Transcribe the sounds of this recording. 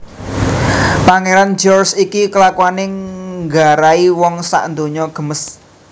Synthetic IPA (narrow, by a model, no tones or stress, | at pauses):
paŋeɾand͡ʒɔrsikikəlakwanɪŋɡaɾaiwɔŋsa̰ʔnd̪oɲɔɡ̥ə̤məs